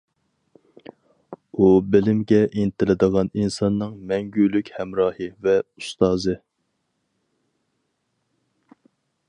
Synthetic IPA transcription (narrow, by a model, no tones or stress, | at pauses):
ubɪlɪmɡʲɛʔinɪt̪ʰɪlɪd̪əʁɑninsɑnːɨŋmɛŋɡʲylykʲhɛmɾɑːhɨvɛust̪ɑːzɨ